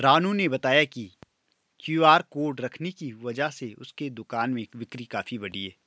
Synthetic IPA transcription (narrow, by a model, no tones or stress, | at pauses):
ɾaːnũnebɐt̪aːjaki | kjuːaːɾkoːɾɖɾɐkʰnekiʋɐd͡ʒaɦseʊ̰sked̪ʊkaːnmẽʋɪkɾikaːfibɐɽiɦɛː